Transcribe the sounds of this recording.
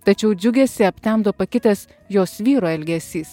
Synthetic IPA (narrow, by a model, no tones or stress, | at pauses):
t̪ɐt͡ʃʲɛʊd͡ʒʲʊɡʲɛsʲɪɐpʲt̪ʲɛmd̪oːpɐkʲɪt̪ʲɛs | joːsʋʲiːɾoːɛlʲɡʲɛsʲiːs